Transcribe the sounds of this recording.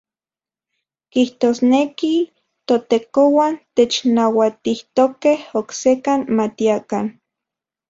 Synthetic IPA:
kiht̪oːsneki | t̪ot̪ekowant̪et͡ʃnawat̪iht̪okehoksekanmat̪iakan

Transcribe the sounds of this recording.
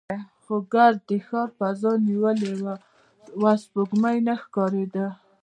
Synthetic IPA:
xoɡaɾ̚d̪əxɑɾfazɑniwəlewə | waspoɡmajnaxkɑɾed̪ə

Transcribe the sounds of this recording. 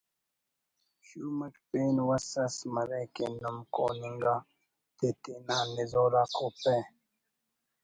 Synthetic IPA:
ɕumɐʈpeːnwɐsɐsmɐɾekḛnumko̰ːniŋɡa | t̪et̪enaːnizoːɾaːkʰope

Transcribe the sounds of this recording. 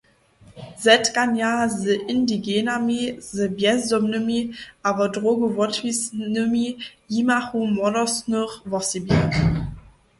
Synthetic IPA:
zɛtɡ̥anjazəʔɪndiɡenamizəbjɛzdɔmnəmiʔabɐdʁoːɡuvɔtʰvisnəmijimaχumɔdɔsnuʁvɔsibjɛ

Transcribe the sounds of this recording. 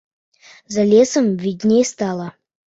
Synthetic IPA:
zalʲesəmvʲidʲnʲest̪alˠə

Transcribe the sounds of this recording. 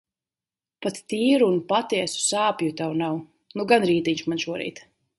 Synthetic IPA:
pat̪t̪iːɾuːnpat̪iɛsu̥saːpjut̪awnaw | nuɡanɾiːt̪iɲʃmanʃuɔɾḭːt̪

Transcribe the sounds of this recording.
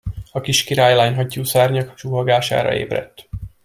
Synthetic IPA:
ɒkiʃkiɾaːjlaːɲɦɒcːuːsaːrɲɒkt͡ʃuːɦɒɡaːʃa̰ːɾɒ̰ḛːbrɛ̰t̪ː

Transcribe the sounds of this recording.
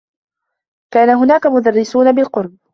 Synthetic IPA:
kaːnaɦʊnaːkamʊd̪arːɪsuːnabɪlqʊɾˤb̚

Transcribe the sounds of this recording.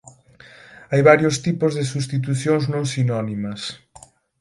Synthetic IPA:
ajβaɾjost̪ipʊzðɪsust̪it̪̬uθjoŋznõŋsinɔnimɐs

